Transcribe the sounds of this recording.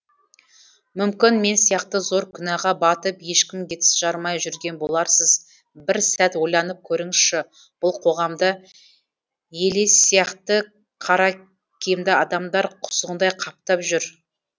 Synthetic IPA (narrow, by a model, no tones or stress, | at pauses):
mʏmkʲɪnme̞nsijɑqt̪əzo̞ɾkʲʰʏnɑʁɑbɑt̪əpje̞ʃkʲɪmkʲe̞t̪ɪ̥sʒ̥ɑɾmɑjʒʏɾɡʲe̞nbo̞lˠɑɾsəz | bɪɾsæt̪wo̞jlˠɑnəp̚kʲʰɵɾɪŋʃɪ | b̥ʊlˠqʰo̞ʁɑmd̪ə | je̞lessijɑqt̪ə | qʰɑɾɑ | kʲʰemd̪ɪɑd̪ɑmd̪ɑɾqʰʊ̥səʁənd̪ɑjqʰɑp̚t̪ɑpʒʏɾ